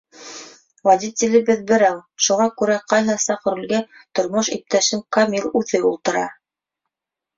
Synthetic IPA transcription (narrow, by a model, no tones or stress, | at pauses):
wad̪ʲit̪ʲɪlɘ̆bɘðbɘ̆ɾæwʃuʁɑkʉɾæqɑjɦɑsɑqɤ̆ɾʉ̆lɡæt̪ŏɾmoʃḭp̚t̪æʃɘŋkamʲilˠʉθɘṵlˠt̪ɤ̆ɾɑ